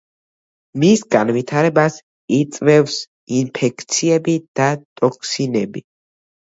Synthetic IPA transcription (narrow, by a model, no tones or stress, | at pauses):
misɡanvit̪ʰaɾɛbas | it̪sʼvɛfs | inpʰɛkʰt̪sʰiɛbid̪̥at̪ʼɔkʰsinɛbi